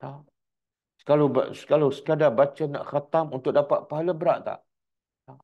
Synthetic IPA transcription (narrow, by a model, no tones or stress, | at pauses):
ta | skalob̰sə̥kalosə̥kadabat͡ʃəna̰ʔxat̪amunt̪ʊk̚dapat̪̚paɦaləbəɾaʔt̪a̰ʔ | t̪a